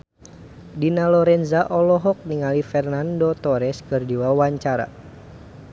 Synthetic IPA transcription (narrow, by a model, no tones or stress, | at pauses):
dinalɔɾɛnzaʔɔlɔɦɔk̚niŋalifɛrnandot̪ɔɾɛskɨrdiwawaɲt͡ʃaɾa̰